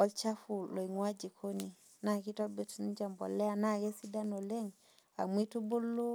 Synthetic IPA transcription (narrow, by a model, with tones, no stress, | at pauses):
ɔ˦lt͡ʃa˦fu˨lo˨i˨ŋwa˦d͡ʒi˨kʰo˦ni˨ | na˨ki˦tɔ˦lbe˨ti˦n˦d͡ʒa˨mbɔ̰˨lɛ˦a˨na˦˨ɡe˦si˦da˦no˨le˦ŋ | a̰˨mi˦tu˦bu˦lːo˦